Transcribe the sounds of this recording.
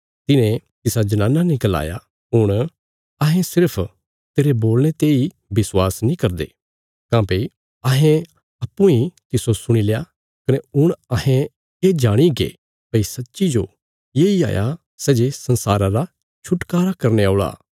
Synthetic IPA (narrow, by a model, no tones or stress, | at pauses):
t̪ɪnẽt̪ɪsad͡ʒɐnãːnanĩkəla̰ːja | ɦʊɽ̃ | ɐɦẽsɪɾpʰ | t̪eːɾeboːlñet̪ei | bɪswaːsnĩkɐɾd̪ḛː | kãːpe | ɐɦẽ | ɐpːũĩt̪ɪsosʊɽ̃ileːa | kɐnɛʊɽ̃ɐɦẽ | ed͡ʒaːɽ̃iɡḛ | pɐisɐtːʃid͡ʒo | jeia̰ːja̰ | sɛːd͡ʒesɐ̃nsaːɾãɾa | t͡ʃʰʊʈkaːɾakɐɾneaʊɭa̰ː